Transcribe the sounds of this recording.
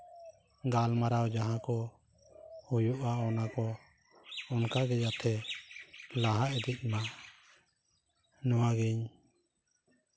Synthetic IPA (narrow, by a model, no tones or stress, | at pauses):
ɡalmaɾawd͡ʒaɦãkɔ | hujuʔaɔnakɔ | ɔnkaɡɛd͡ʒat̪ʰɛ | laɦaɛd̪ic̪̚ˀma | nɔwaɡɛɲ